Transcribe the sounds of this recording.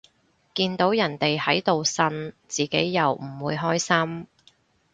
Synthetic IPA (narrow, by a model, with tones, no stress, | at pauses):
kiː˧nt̪o˨˥wjɐ˨˩nt̪e˨jhɐ˨˥jt̪o˨wsɐ˧nt͡siː˨˩ke˨˥jːɐ˨wm̩˨˩wuː˨˧jɦɔː˥jsɐ˥m